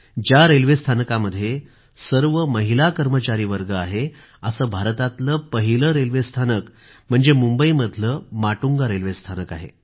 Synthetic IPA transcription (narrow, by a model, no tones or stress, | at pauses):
d͡ʑjaɾelʋest̪ʰanəkaməd̪ʱːje | səɾʋəməɦilakəɾmət͡ɕaɾiːʋəɾɡəaɦe | əsəːbʱaɾt̪at̪ləpəɦiləɾelʋest̪ʰanək | m̤əɳd͡zemumbəiməd̪ʱləmaʈuŋɡaɾelʋest̪ʰanəkaɦḛ